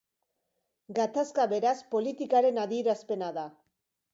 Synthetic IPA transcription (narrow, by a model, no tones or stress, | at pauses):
ɡat̪askaβe̞ɾaspo̞lit̪ikaɾe̞naðie̞ɾaspe̞naða